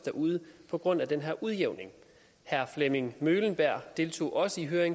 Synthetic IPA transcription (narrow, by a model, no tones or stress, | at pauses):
d̥æʔuːðˠəpʰɒ̽ɡ̥ʁɔ̽n̰æd̥enɦæɐʔuðˠjeʊ̰ne̝ŋ | hæɐfleme̝ŋmøːlən̩b̥æɐ̰d̥e̝lt͡sʰo̝̰ːʔɒ̽səiɦøːɐeŋ